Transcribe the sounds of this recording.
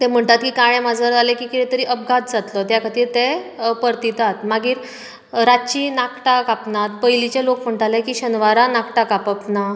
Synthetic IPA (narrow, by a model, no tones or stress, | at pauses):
t̪ɛm̤əɳt̪at̪kiːkaɭẽmad͡zʱəɾalẽkiːkit̪ɛ̃t̪əɾiʔəp̚ɡʱat̪̚d͡zat̪lɔt̪jakʰət̪iːɾt̪epəɾt̪it̪at̪maɡiːɾ | ɾat͡ɕinakʈakapnat̪pəjlit͡ɕalokm̤əɳt̪alɛkiːɕənʋaɾanakʈakapapna